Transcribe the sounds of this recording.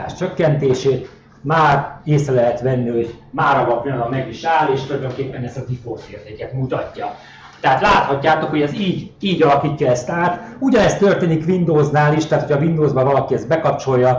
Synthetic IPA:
a̰ːʃt͡ʃøkːɛnt̪eːʃeːt̪ | maːreːsrɛlɛɦɛt̪ʋɛnːiho̞ɟmaːɾɒvɒkniɒd̪ɒmːɛɡiʃaːleːʃt̪ulɒjd̪oŋkeːpːɛnɛst̪ɒzifoːt̪eːrt̪eːkɛt̪mut̪ɒcːɒ | t̪ɛɦat̪laːt̪hɒcːaːt̪o̞kho̞ɟɛsiːɟiːɟɒlɒkiːcːɒɛst̪aːt̪uɟɒnɛst̪ø̞rt̪eːnikʋind̪oːznaːliʃt̪aɦːt̪ʰojʰɒvind̪oːzbɒvɒlɒkiɛzbɛkɒp̚t͡ʃo̞jːɒ

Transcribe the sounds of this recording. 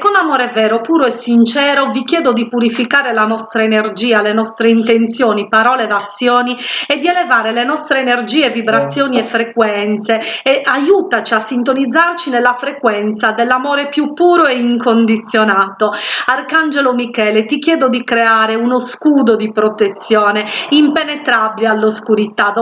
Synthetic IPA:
kːonamɔːɾevɛːɾopuːɾoɛsint͡ʃɛːɾovikjɛːd̪od̪ipuɾifikaːɾelanɔst̪ɾaenerd͡ʒiːalenɔst̪ɾeint̪ent̪sjoːnipaɾɔːled̪at̪sːjoːniɛd̪ːiɛlevaːɾelenɔst̪ɾeːnerd͡ʒiːɛvibɾat̪sːjoːniɛfɾekwɛnt̪seɛʔajuːt̪at͡ʃiasːint̪onid̪zːart͡ʃinɛlːafɾekwɛnt̪sad̪ɛlːamɔːɾepjupːuːɾoɛiŋkond̪it̪sːjonaːt̪oarkand͡ʒelomikɛːlet̪ik̟jɛːd̪od̪ikɾeaːɾeunoskuːd̪od̪ipɾot̪et̪sːjɔːneimpenɛt̪ɾabilealːoskuɾit̪a

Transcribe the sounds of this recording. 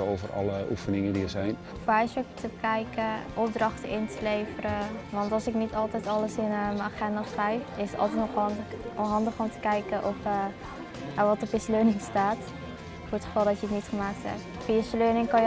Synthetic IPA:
owvərɑ̰ləufənɪŋədiəzɛjn | fajsəktəbəkɛjkəʔɔp̚drɑχtəʔɪntəlejfəɾəʋɑntɑlˠsɪknitɑlˠtɛjtɑləsɪnmənaχɛndasrɛjfɪsətɑ̰lˠtɛtnɔɔɦɑndəχɔmtə̥kɛjkəʔɔfə | aʋɑtɔpjəsløːnɪŋstaːt | foːɹətχə̥fɑlˠdɔtjəətnitχəmaːk̚thɛ̰p̚ | fiəsløːnɪŋkɑj

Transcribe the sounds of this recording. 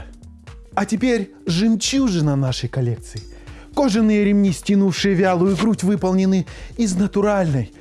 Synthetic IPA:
ɐtʲɪpʲeɾʲ | ʐɨmt͡ɕuʐɨnɐnaʂəjkɐlʲek̚t̪sɨɪ | koʐɨnːɨjəɾʲɪmnʲisʲtʲinufʂɨjəvʲalˠʊjʊɡɾutʲvɨpəlˠnʲɪnɨɪznət̪ʊɾalʲnəj

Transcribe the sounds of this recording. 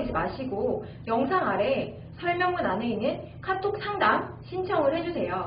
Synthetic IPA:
d͡ʑimaɕʰiɡo | jʌŋsʰaŋaɾe̞ | sʰʌɭmjʌŋɯnane̞inːɯn | kʰatʰok̚sʰaŋdam | ɕʰint͡ɕʰʌŋɯɭhe̞d͡ʑusʰe̞jo

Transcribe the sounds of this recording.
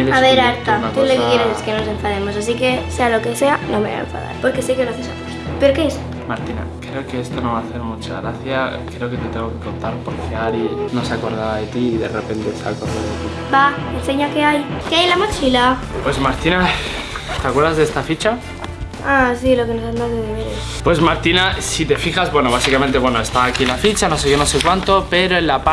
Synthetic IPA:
eleaβe̞ɾaɾt̪at̪ulokekjeɾeseskenonosẽ̞ɱfaðemosas̬ike̞sealo̞ke̞se̞anomḛa̰ḛɱfa̰ða̰ɾpo̞ɾke̞sekeoloaθesat̪e | pe̞ɾokees | maɾt̪ina̰kɾe̞okeest̪onoβaːθe̞ɾmut͡ʃa̰ɣɾaθjakɾe̞oke̞t̪et̪eŋɣokekont̪aɾpoɾfeaɾinosako̞ɾðaβaðet̪iːðe̞repnt̪esa̰koɾðoðet̪u | baenseɲakeajkeajelamot͡ʃila | pwe̞zmaɾt̪ina | t̪eakwe̞ɾðazðest̪afit͡ʃa | asilokenosand̪aeðeβeɾ | pwe̞smaɾt̪inasit̪e̞fixazβwe̞no̞βasikamẽnt̪ewe̞no̞e̞st̪aaːkilafit͡ʃano̞seʝonose̞kwant̪o̞pe̞ɾo̞elapa

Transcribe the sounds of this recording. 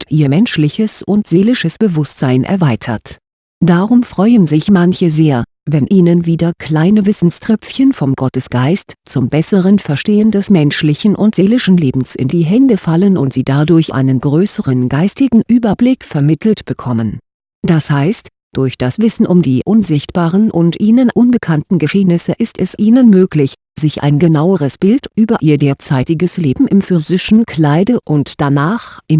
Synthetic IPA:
tʔiːɐmɛnʃlɪçəsʊntz̥eːlɪʃəsb̥əvʊstz̥aɪnʔɛ̰ɐvaɪtʰɐ̰t | d̥aʁʊmfʁ̥ɔʏənzɪçmançəzeːɐ | vɛnʔiːnənviːdɐkʰl̥aɪnəvɪsn̩stʁ̥ɛpp͡fçənfɔmɡɔtəsɡ̥aɪstt͡sʊmbɛsəʁənfɛɐʃteːəndɛsmɛnʃlɪçn̩ʔʊntz̥eːlɪʃn̩leːbm̩sɪ̰ndiːɦɛndəfalənʊntz̥iːdadʊɐçʔa̰ɪnənɡ̥ʁøːsəʁənɡaɪstɪɡŋ̩ʔyːbɐblɪkfɛɐmɪtʰl̩tb̥əkʰɔmən | d̥ashaɪst | d̥ʊɐçd̥asv̥ɪsn̩ʔʊmdiːʔʊnzɪçtb̥aːʁənʔʊntʔiːnənʔʊnbəkʰantn̩ɡəʃeːnɪsəʔɪstɛsʔiːnənmøːklɪç | z̥ɪçʔa̰ɪnɡənaʊəʁ̞əsb̥ɪltʔyːbɐʔiːɐdeːɐt͡saɪtɪɡəsleːbm̩ʔɪmfyzɪʃn̩kʰl̥aɪdəʔʊntd̥anaːχʔɪm

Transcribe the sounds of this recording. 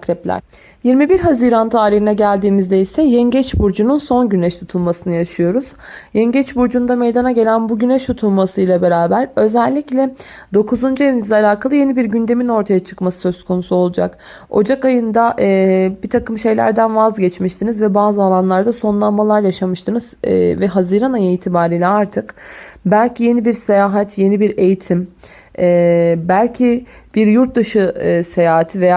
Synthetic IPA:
kɾɛplʲæ̰ɾ | jiɾmibiɾɦaziɾant̪ʰaːɾiɦinɛɟælʲd̪iːmizd̪eisɛjɛɲɟɛt͡ʃbuɾd͡ʒununso̞nɟynɛʃt̪ʰut̪ʰulˠmasɯnɯjaʃɯjo̞ɾuz̥jɛɲɟɛt͡ʃbuɾd͡ʒund̪ame̞jd̪anaɟe̞lʲænbuɟynɛʃt̪ʰut̪ʰulˠmasɯjlˠabe̞ɾaːbæɾø̞zælʲːiclʲɛd̪o̞kʰuzund͡ʒujenizlʲɛalʲaːkʰalˠɯje̞nibiɾɟynd̪e̞mino̞ɾt̪ʰajat͡ʃʰɯ̥kmasɯ̥sø̞skʰo̞nusuo̞lˠud͡ʒa̰k | o̞̰d͡ʒakajɯnd̪aʔɯbit̪ʰakɯmʃe̞jlʲæ̰ɾd̪ænvazɟɛt͡ʃmiʃt̪ʰinizvɛbaːzɯalˠanlˠaɾd̪aso̞nlˠanmalˠaɾjaʃamɯʃt̪ʰɯnɯz̥vɛɦaziɾanajɯiːt̪ʰibaːɾiːlʲɛaɾt̪ʰɯkbælʲcʰije̞nibiɾse̞jaːɦat̪ʰje̞nibiɾe̞jit̪ʰim | ɛːbælʲcʰib̥iɾjuɾt̪̚d̪aʃɯse̞jaːɦat̪ʰiveja

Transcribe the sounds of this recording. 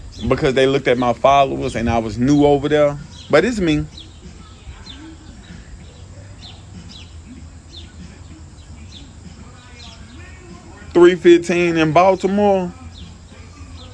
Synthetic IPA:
bɨkʰʌzðeɪlʊk̚tɨt̚maɪfɑðəzɨ̃naɪwʌznuoʊvə˞ðə˞b̥ʌɾɪzsmĩ | θɹifɪftʰĩnɨ̃nbalˠtʰəmɔɹ

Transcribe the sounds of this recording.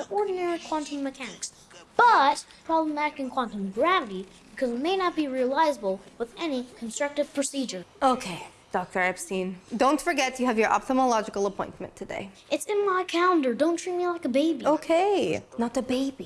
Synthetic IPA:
ðəʔɔɹdⁿn̩ɛɹikʰw̥ɑ̃ntɨ̃mmːɨkʰænɨks | b̥ʌt̚pʰɹ̥ɑblə̃mæɾɨkɨ̃nkʰw̥ɑ̃ntɨ̃mɡɹævɨɾi | b̥ɨkʰʌzɨt̚meɪnət̚b̥iɹiɨlaɪzəbl̩ˠwəðɛnikʰn̩stɹ̥ʌk̚tɨv̥pʰɹ̥ɨsid͡ʒə˞oʊkʰeɪ | d̥ɑk̚tə˞ɛpsĩndõʊ̃ntfə˞ɡɛt͡ʃɨɨvjə˞ʔɑ̰p̚təməlɑd͡ʒɨkl̩ˠəpʰɔ̃ɪ̃ntmɨ̰̃ntʰɨdḛɪ | ɨtsɨ̃nmaɪkʰælˠə̃ndə˞dõʊ̃ntʰɹ̥it̚milaɪkəbeɪbioʊkʰeɪnət̪̚ðɨbeɪbi

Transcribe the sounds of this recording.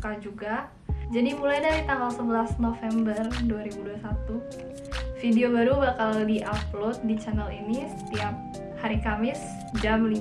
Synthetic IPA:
kad͡ʒuɡa | d͡ʒadimulajdaɾit̪aŋɡalsəbəlasnofɛmbərduaɾibuduasat̪u | fideobaɾubakaldiʔaplot̪̚dit͡ʃanəlinisə̥t̪iap̚ | haɾikamɪs | d͡ʒamli

